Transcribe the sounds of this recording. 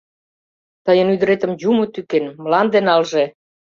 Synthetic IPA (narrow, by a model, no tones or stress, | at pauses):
t̪əjənyd̪əɾet̪ə̆mjumot̪ykenmlɑnd̪enɑlʒe